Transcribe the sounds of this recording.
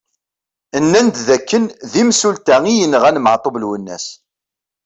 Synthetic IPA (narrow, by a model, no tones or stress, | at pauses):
ənːænd̪ðækːənðimsult̪æŋijənʁænmʕt̪ˤovlwənːæ̰s